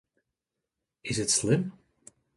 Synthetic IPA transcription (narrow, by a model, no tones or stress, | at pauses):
ɪsətslɪm